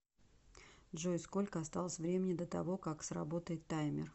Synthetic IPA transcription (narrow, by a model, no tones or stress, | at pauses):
dʐojskolʲkəɐst̪alˠəsʲvɾʲemʲɪnʲɪd̪ət̪ɐvo̞kaksrɐ̰bo̞t̪əjɪt̪ːajmʲɪ̰r